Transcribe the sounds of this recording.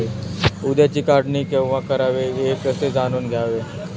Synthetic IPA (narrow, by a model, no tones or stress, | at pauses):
eud̪jat͡ɕiːkaɖniːkẽʋʋãkəɾaʋeekəsed͡zanuːnɡʱjaʋe